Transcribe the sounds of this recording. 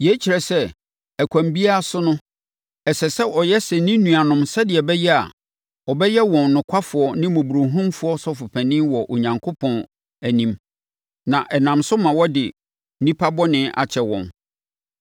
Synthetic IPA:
jɛ˨˦t͡ɕʰi˨ɾɛ˨sɛ˦ | æ˨kʷʰæ̃˨mbi˦a˦a˦˨sʊ˦nʊ̃˦ | ɛ˨sɛ˨sɛ˦ʔɔ˨jɛ˦sɛ˨nĩ˦nũ˨a˨nʊ̃˨msɛ˦dɪ˨ɛ˨bɛ˦jɛ˦a̰˨ | ɔ˨bɛ˦jɛ˦wɔ̃˨nnʊ̃˨kʷʰa˦fʊ˨ɔ˨nɪ̃˦mʊ̃˨bu˨ɾo˨ɦũ˦mfʊ˦ɔ˦sɔ˦fʊ˨pʰæ˨nɪ̃˦wɔ˨ʔo˨ɲã˨ŋkʰo˦pʰɔ̃˨n | æ˨nĩ˨m | nã˨ʔɛ˨nã˨msʊ˦mã˨wɔ˦dɪ˨ | nĩ˦pʰa˦bɔ˦nɪ̃˦ʔa̰˨t͡ɕʰɛ˨wɔ̰̃˨n

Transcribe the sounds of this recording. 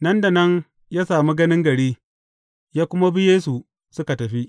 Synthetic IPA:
nɐ˦nda˨nɐ˦n | jaː˦saː˨mi˦ɡɐ˦nɪ˦ŋɡɐ˨ɽiː˦ | jaː˦kʷʊ˦ma˦bɪ˦jeː˦s̬u˨ | sʊ˦ka˨tɐ˨ɸi˦ʔ

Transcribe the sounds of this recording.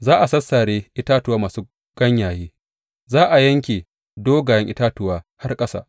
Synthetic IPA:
zaː˦ʔa˨sɐ˦sːaː˨ɽeː˦ʔɪ˦taː˦tʊ˦waː˦maː˨su˦ | ɡ̥ɐ˦ɲjaː˨jeː˦ | zaː˦ʔa˨jɐ˦ŋkʲeː˨ | doː˦ɡaː˨jɐ˦ŋʔɪ˦taː˦tʊ˨waː˦ha˦rkʼɐ˦sa̰ː˨ʔ

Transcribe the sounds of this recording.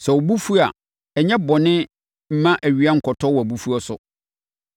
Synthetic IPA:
sɛ˨o˨bu˦fu˦a˨ | ɛ˨ɲɛ̃˦bɔ˨nɪ̃˦ | m̩˦mã˦ʔæ˨ɥi˦a˦ŋ̩˨kʰɔ˨tʰɔ˦wɔ˨æ˨bu˦fu˦ɔ˦sʊ˨

